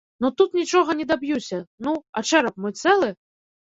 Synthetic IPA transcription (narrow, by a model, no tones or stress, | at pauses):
nut̪ut̪nʲit͡ʂɔɣɐnʲɛd̪abjusʲɐnuɐt͡ʂɛɾɐp̚mɔjt̪sɛlˠɨ